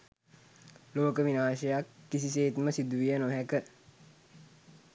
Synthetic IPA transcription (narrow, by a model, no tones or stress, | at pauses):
loːkəʋinaːʃəjakːisiseːt̪məsid̪uʋijənoɦækə